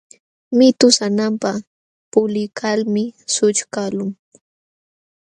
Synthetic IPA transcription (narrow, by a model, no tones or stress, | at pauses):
mɪt̪ʊsanampa | pʊlɪkʰalmɪsʊt͡ʃkalʊŋ